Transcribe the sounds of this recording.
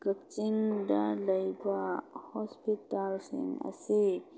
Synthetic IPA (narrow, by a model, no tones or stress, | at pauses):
ɡəkt͡ʃinɖaləjbahɔspitalsḭŋə̰si